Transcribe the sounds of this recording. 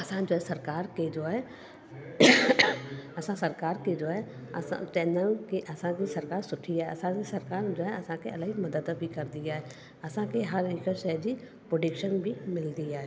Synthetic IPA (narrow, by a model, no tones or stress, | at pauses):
ɐsãd͡ʒoːɦɛsɐɾkaːɾked͡ʒoːɦɛː | ɐsãsɐɾkaːɾked͡ʒoːɦɛɐsã̰t͡ʃɛːnənkeʔɐsãkisɐɾkaːɾsʊʈʰiɦɛɐsãkesɐɾkaːɾd͡ʒoːɦɛɐsãkeɐlaimɐd̪əd̪bʱikɐɾd̪ɪjaɦɛː | ɐsãkeɦɐɾikəsɛd͡ʒi | pɾoɖɪkʃənbʱimɪld̪iaɦɛː